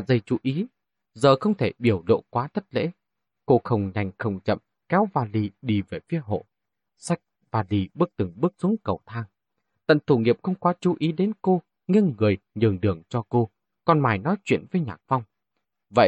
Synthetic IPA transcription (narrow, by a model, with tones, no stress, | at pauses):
a˨˩zə˨˩jt͡ɕu˨˦ʔi˨˦ | zəː˨˩xə˧wŋ͡mt̪ʰe˧˩ɓi˧˩əwlo̰˧˨kwaː˨˦t̪ʰə˦˥t̚lḛ˧˥ | ko˧xə˨˩wŋ͡mɲa˨˩jŋ̟xə˨˩wŋ͡mt͡ɕə̰˧˨m | kɛ˨˦wvaː˨˩li˨˩ɗi˧˩ve˨˩fi˨˦əɦo̰˧˨ | sa˦˥jk̟̚ | vaː˨˩li˨˩ɓɨ˦˥ək̚t̪ɨ˨˩ŋɓɨ˦˥ək̚su˨˦əŋkə˨˩wt̪ʰaː˧ŋ | t̪ə̰˧˨nt̪ʰu˧˩ŋi˨˩əp̚xə˧wŋ͡mkwaː˨˦t͡ɕu˨˦ʔi˨˦ɗe˨˦nko˧ | ŋi˧əŋːɨ˨˩əjɲɨ˨˩əŋɗɨ˨˩əŋt͡ɕɔ˧ko˧ | kɔ˨˩nmaː˨˩jnɔ˨˦jt͡ɕwḭ˧˨ənvəː˨˦jɲaː˨˩k̚fa˧wŋ͡m | və̰˧˨j